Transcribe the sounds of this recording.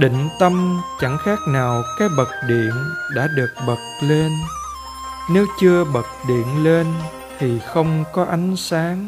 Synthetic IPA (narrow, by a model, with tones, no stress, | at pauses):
ɗḭ̈˧˨ŋ̟t̪ə˧mt͡ɕa˧˩ŋxaː˦˥k̚naː˨˩wkaː˦˥k̚ɓə˨˩k̚ɗḭ˧˨ənɗa̰ː˧˥ɗɨ˨˩ək̚ɓə˨˩k̚le˧n | ne˨˦wt͡ɕɨ˧əɓə˨˩k̚ɗḭ˧˨ənle˧n | t̪ʰi˨˩xə˧wŋ͡mkɔ˨˦ʔa˨˦jŋ̟saː˨˦ŋ